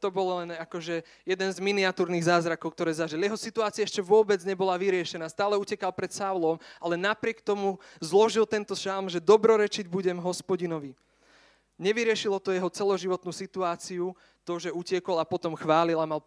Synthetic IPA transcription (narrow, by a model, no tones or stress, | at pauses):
t̪ɔbɔllɛnakɔʒɛ | jɛd̪ɛnzminiat̪uːɾniɣzaːzɾakɔʊk̚t̪ɔɾɛːzaʒiljɛɦɔsit̪uaːt͡siaɛʃcɛʋʊɔbɛd͡zɲɛbɔlaʋiɾɪɛʃɛnaːst̪aːlɛucɛkalpɾɛt̪saʊlɔmalɛnapɾɪɛkt̪ɔmuzlɔʒilt̪ɛnt̪ɔʃalˠmʒɛd̪ɔbɾɔɾɛt͡ʃiɟbuɟɛmɦɔspɔɟinɔʋi | ɲɛʋiɾɪɛʃilɔt̪ɔjɛɦɔt͡sɛlɔʒiʋɔt̪nuːsit̪uaːt͡siu | t̪ɔʒɛucɪɛkɔlapɔt̪ɔmxʋaːlilamal